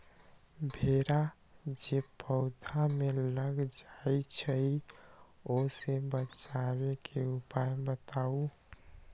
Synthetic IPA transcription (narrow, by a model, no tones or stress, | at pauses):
bʱeɾa | d͡ʒepʰəʊd̪ʱameləɡd͡ʒajt͡ʃʰəj | osebət͡ʃaβekʰeupajbət̪au